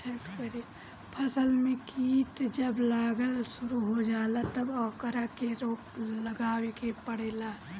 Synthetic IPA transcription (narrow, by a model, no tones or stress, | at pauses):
sʰeʈkəɾi | pʰəsəlmẽkiːʈ̪d͡ʒɐblaːɡəlsʊɾuɦod͡ʒaːlat̪ɐbɔːkəɾakeɾoːpləɡaːwekepəɽeːlaː